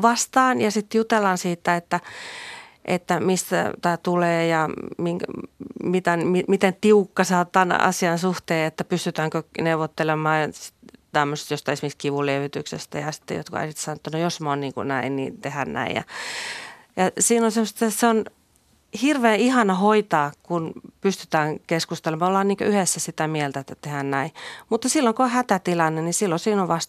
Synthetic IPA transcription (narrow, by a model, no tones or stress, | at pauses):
ʋɑst̪ɑːnjɑsit̪jut̪elːɑnsiːt̪ːæet̪ːæ | ʔḛt̪ːæmist̪æ̰t̪æːt̪uleːjɑmiŋkmit̪ænmimit̪ent̪iukːɑsɑːt̪ːɑnɑ̰siɑnsuht̪eːet̪ːæpyst̪yt̪æŋkøneuʋːot̪ːelemɑːsi̥tt̪æmːøst̪jost̪ɑiesmiskiʋuleʋit̪yksḛst̪æjɑsi̥t̪ːḛjo̰t̪̚koɑ̰isit̪ːsɑnoet̪ːænojosmonniːŋkṵnæinnḭːnt̪ehænnæ̰ḭjjɑ̰ | jɑsiːnonsemːost̪ːɑseon | hirʋeːihɑnɑhoit̪ɑːkunpyst̪y̥t̪æːŋkeskust̪elemɑolːɑːniːŋkø̰yhesːæsit̪æmielt̪æet̪ːæt̪ehænnæimut̪ːɑsilːoŋkoohæt̪æt̪ilɑnːenisilːosiːnoʋʋɑst̪